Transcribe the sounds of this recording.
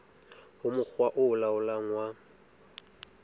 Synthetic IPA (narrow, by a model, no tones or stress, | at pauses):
hʊmʊk͡xwaʔʊʊlaʊlaŋwa